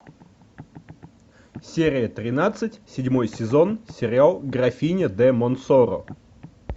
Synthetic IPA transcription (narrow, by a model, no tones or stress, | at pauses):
sʲeɾʲɪjət̪ɾʲɪnat̪sɨtʲsʲɪdʲmo̞jsʲɪzo̞nsʲɪɾʲɪalˠɡɾɐfʲinʲɪd̪ɛmonsoɾʊ̰